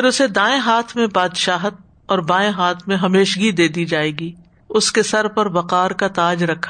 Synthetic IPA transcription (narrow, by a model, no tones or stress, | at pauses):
ɪɾʊsed̪aːẽɦaːt̪ʰmẽbaːd̪ʃaːɦət̪̚ | ɔːɾbãːẽɦaːt̪ʰmẽɦɐmeːʃɡid̪eːd̪id͡ʒaːeːɡi | ʊskesɐɾpɐɾbɐqaːɾkat̪aːd͡ʒɾɐkʰːḁ